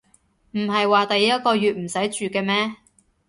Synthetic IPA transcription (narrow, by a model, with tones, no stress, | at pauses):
m̩˨˩ɦɐ˨jwaː˨t̪ɐ˨jjɐ˥t̚kɔː˧jyː˨t̚m̩˨˩sɐ˨˥jt͡ʃyː˨kɛː˧mɛː˥